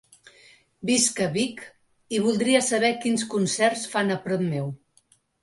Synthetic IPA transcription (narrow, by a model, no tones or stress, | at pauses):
biskəβik | iβ̞ulˠd̪ɾiəsəβɛkinskunsɛrsfanəpɾɔt̪mew